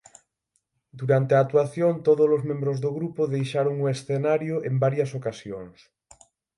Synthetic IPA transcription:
d̪uɾant̪eat̪waθjont̪oðolozmẽmbɾʊzðoɣɾupʊðejʃaɾoŋʊesθenaɾjʊʔembaɾjɐsokasjoŋs

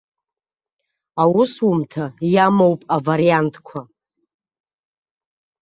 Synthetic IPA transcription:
awʊsumtʰajamowpʼavaɾijantʰʼkʷʰa

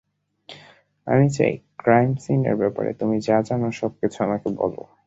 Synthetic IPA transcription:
a̰mit͡ɕa̰jkɾajmsinḛɾbɛpa̰ɾḛt̪omid͡ʑad͡ʑanoʃɔb̚kit͡ɕʰoamakebɔ̰lo̰

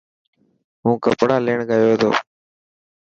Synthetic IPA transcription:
ɦũːkə̰pɽaːleːɳɡəjoːd̪o̰ː

